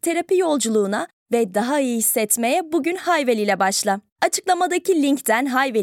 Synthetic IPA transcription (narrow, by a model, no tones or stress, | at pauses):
t̪ʰe̞ɾapijo̞lˠd͡ʒulˠuːna | vɛd̪aɦaɯjjihisːɛt̪me̞jɛbuɟynhajvelʲilʲɛbaʃlˠa | at͡ʃʰɯ̥klˠamad̪acilʲiɲct̪ænɦajve